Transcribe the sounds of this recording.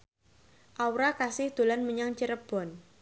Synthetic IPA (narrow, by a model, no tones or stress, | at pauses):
ʔawɾakasɪhd̪̥o̤lanməɲaŋt͡ʃəɾəb̥ɔ̤n